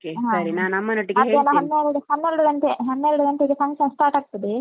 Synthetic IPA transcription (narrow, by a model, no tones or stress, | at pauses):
keɦãsɐɾinaːnɐmːɐnoʈːiɡeɐd̪ɐnːɐɦɐnːeɾuɽuhɐnːeɾuɽuɾɐnt̪eɦɐnːeɾuɽuɾɐnt̪eɡepʰɐŋkʃɐnsʈaːɾʈaːɡ̚t̪ɐd̪e